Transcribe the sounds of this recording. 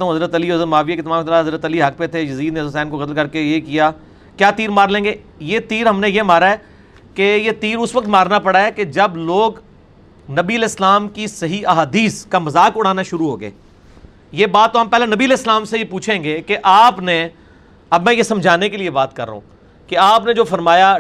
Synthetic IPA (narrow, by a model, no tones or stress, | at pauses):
t̪aɦũɦɐzɾət̪ɐliɦɐzəɾmaːʋijeket̪ɐmãːmt̪ɐɾaɦɐzɾət̪ɐliɦɐk̚pet̪ʰejɐziːd̪nezʊsɛːnkoɣɐt̪əlkɐɾkejekijaː | kjaːt̪iːɾmaːɾlẽːŋɡejet̪iːɾɦɐmnẽjemaːɾaɦɛː | kejet̪iːɾʊsʋɐk̚t̪maːɾnapɐɽaɦɛked͡ʒɐbloːɡ | nɐbiəlɛːɪslaːmkisɐɦiʔɐɦaːd̪iːskamɐzaːkʊɽ̤aːnaʃʊɾuɦo̰ːɡḛː | jebaːt̪̚ːoɦɐmpɛːlenɐbiəlɛːslaːmsejepuːt͡ʃʰẽːŋɡekeʔaːpne | ɐbmɛ̃jesɐ̃md͡ʒʱaːnekeliebaːt̪kɐɾːɐ̰ɦṵ̃ː | keaːpned͡ʒoːfɐɾmaːja